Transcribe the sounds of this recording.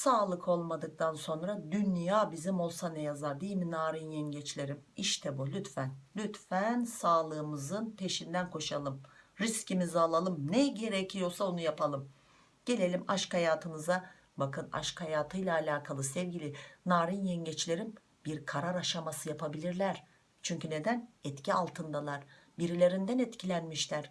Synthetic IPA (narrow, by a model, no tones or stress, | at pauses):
saːlˠɯkʰo̞lˠmad̪ɯk̚t̪ʰanso̞nɾad̪ynjaːbizimo̞lˠsanɛjazaɾd̪ijlminaːɾinjɛnɟɛt͡ʃlʲe̞ɾimiʃt̪ʰɛbulʲyt̪fænlʲyt̪fænsaːlˠɯːmɯzɯnpʰe̞ʃind̪ænkʰo̞ʃalˠɯmɾiscimizalˠalˠɯmnɛɟe̞ɾɛcʰijo̞lˠsaonujapʰalˠɯm | ɟ̥e̞lʲe̞lʲimaʃkhajaːt̪ʰɯnɯza | bakɯna̰ʃkhajaːt̪ʰɯjlˠaːlʲaːkʰalˠɯsɛvɟʲilʲɪnaːɾinjɛɲɟɛt͡ʃlʲe̞ɾim | b̥iɾkʰaɾaɾaʃamasɯjapʰabilʲiɾlʲæɾ̥ | t͡ʃʰyɲcʰyne̞d̪ænɛt̪cʰialˠt̪ʰɯnd̪alˠaɾbiɾilʲe̞ɾind̪ænɛt̪cʰilʲænmiʃlʲæɾ̥